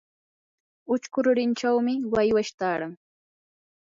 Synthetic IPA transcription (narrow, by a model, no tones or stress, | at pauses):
ʊt͡ʃkʊɾʊɾɪnt͡ʃawmɪwajwaʃt̪aːɾaŋ